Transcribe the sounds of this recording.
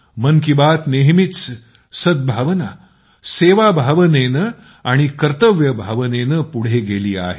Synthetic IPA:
mənkibat̪neɦmit̪t͡s | səd̪̚bʱaʋna | seʋabʱaʋənenə | aɽ̃ikəɾt̪əʋjəbʱaʋənenəpuɽ̤eɡeliːa̰ɦe

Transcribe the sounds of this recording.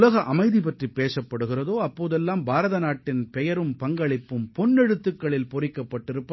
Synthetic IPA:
lɐɣɐʔɐmɐɪðipɐʈripːeːʂɐpːɐɽɯɣɪrɐðoːɐpːoːðɛlːaːmbaːɾɐðɐnaːʈːɪnpɛjɐɾɯmpɐŋɡɐɭɪpːɯmpɔnːɛɽɯt̪ːɯkːɐɭɪlpɔrɪkːɐpːɐʈːɪɾɯpːɐ

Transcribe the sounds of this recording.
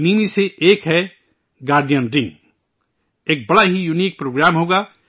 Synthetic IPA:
niːmiseʔeːkɦɛ | ɡaːɾɖ̪ijənɾɪ̃ŋɡ | eːk̚bɐɽaɦijuniːk̚pɾoːɡɾaːmɦoːɡa

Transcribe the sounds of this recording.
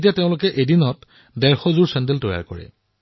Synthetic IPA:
t̬iateʊ̃lʊkɛʔedinɔt | dɛɹxɔzuɹsɛndeltɔja̰ɹkɔ̰ɹɛ̰

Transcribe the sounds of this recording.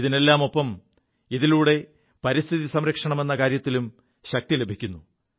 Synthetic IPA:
ðine̞lːaːmo̞pːɐm | iðiluːɽe̞ | pɐɾist̪ʰiðisɐmɾɐkʂɐɳɐme̞nːɐkaːɾjɐt̪ːilum | ɕɐk̚t̪ile̞bʱikʲːunːu

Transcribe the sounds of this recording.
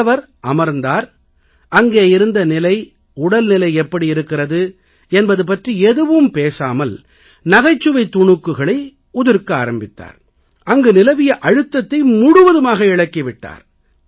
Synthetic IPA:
ʋɐɾ | ʔɐmɐɾnd̪aːɾ | ʔɐŋɡeːɪɾɯnd̪ɐnɪlɐɪ | ʊɽɐlnɪlɐɪɛpːɐɽiɪɾɯkːɪrɐðɯ | ɛnbɐðɯp̬ɐʈriɛðɯʋɯmpeːsaːmɐl | nɐɣɐɪt͡ʃːɯʋɐɪt̪ːʊɳʊkːɯɣɐɭɐɪ | ʊðɪɾkɯaːɾɐmbɪt̪ːa̰ːɾ | ɐŋɡɯnɪlɐʋɪjɐʔɐɻɯt̪ːɐt̪ːɐɪmʊɽʊʋɐðɯmaːɣɐɪɭɐkːiʋɪʈːa̰ːɾ

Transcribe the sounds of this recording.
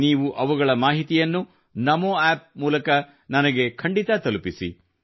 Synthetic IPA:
niːʋuʔɐʋuɡɐɭɐmaːɦit̪ijɐnːu | nɐmoɛːp̚muːlɐkɐ | nɐnɐɡe̞kʰɐɳɖit̪ɐt̪ɐlupisḭ

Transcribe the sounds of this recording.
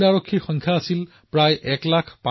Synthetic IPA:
aɹokʰːixɔ̃ŋkʰjaːsil | pɹajʔɛklakʰpa

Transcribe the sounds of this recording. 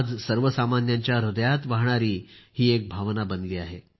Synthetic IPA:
d͡zsəɾʋəsamanjaɲt͡ɕjaɾud̪jat̪ʋaɦɳaɾiːhiːek̚bʱaʋnabənliːaɦe

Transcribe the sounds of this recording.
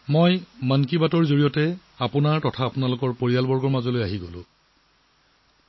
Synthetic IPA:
mojmankibatɔɹzoɹijɔtɛ | apʊnaɹtɔtʰaːpʊnalʊkɔɹpoɹijalbɔɹɡɔɹmazɔlojaɦiɡolʊ̰̃

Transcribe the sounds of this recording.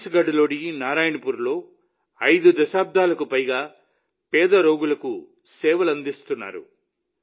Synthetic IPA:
sɡɐɖɐlo̞ːɽinaːɾaːjɐɳɐpuːɾlo̞ː | ɐjd̪ud̪ɐʃaːb̚d̪ʱaːlɐkupɐjɡaː | pɛːd̪ɐɾo̞ːɡulɐku | sɛːʋɐlɐnd̪ist̪unːa̰ːɾṵ

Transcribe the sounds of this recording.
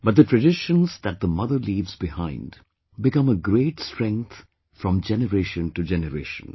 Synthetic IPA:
bʌt̚d̪ətʰɹɨɖɪʃə̃nzd̪æt̚d̪əmʌðəɾliːvzbɪhãɪ̃nd | bɪkʌ̃məɡɾeːʈstɹɛ̃ŋk̚t̪ | fɹɔ̃md͡ʒɛnəɾeːʃə̃nʈud͡ʒɛnəɾḛːʃə̃n

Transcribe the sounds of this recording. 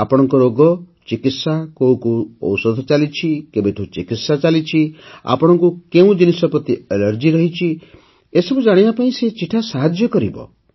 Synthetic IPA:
apɔɽ̃ɔŋkɔɾoɡɔ | t͡ʃikit̪sakoũkuɔ̰wsɔd̪ʱɔt͡ʃalit͡ʃʰikebet̪ʰot͡ʃikit̪sat͡ʃalit͡ʃʰia̰pɔɽ̃ɔŋkukeũd͡ʒinisɔpɾɔt̪ielɔɾd͡ʒiɾɔɦit͡ʃʰi | esɔbud͡ʒaɽ̃ibapaĩset͡ʃiʈʰasaɦad͡ʒjɔkɔɾibɔ̰

